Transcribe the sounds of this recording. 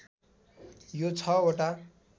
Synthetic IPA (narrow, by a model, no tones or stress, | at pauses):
jot͡sʰʌoʈa